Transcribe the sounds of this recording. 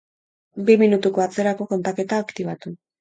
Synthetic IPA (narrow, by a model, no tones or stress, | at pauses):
biminut̪uko̞at͡se̞ɾako̞ko̞nt̪ake̞t̪aːkt̪iβ̞at̪u